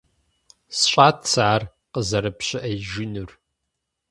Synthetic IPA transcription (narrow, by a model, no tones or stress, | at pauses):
sɕʷʼaːtʰsaʕːr | qəzɐɾɨpɕʼɪʔɐjʒɪnur